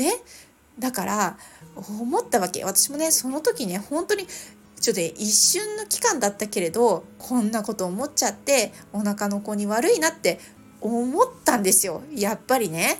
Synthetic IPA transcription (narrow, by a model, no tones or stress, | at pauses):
ne̞ | d̪akaɾaomo̞t̪ːaβake̞̰βat̪ḁɕimo̞ne̞so̞no̞t̪o̞kʲine̞hõ̞nt̪o̞ɲ̟i | it͡ɕoneʔiɕːɨ̃nːo̞kʲi̥kãnd̪at̪ːake̞ɾe̞d̪o̞kʰõ̞nːako̞t̪o̞ːmo̞t͡ɕat̪ːe̞onakano̞ko̞ɲ̟iβaɾɯ̟inat̪ːe̞ | omo̞t̪ːãnd̪e̞sɨjo̞japːaɾʲine̞